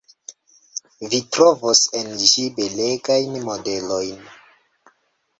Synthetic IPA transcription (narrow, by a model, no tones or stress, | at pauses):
vitɾovosend͡ʒibe̞leɡajnmode̞lo̞jn